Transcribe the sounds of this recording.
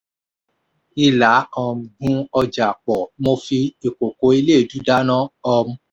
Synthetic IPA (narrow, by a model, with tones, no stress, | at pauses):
i˧la˨˦ɔ˨ɡũ˧˦ɔ˧d͡ʒa˨k͡pɔ˨mo˧fi˧i˨k͡po˨ko˨˦i˧leː˦˨d͡ʒu˨˦da˦nã˦ɔ˧mũ˧˦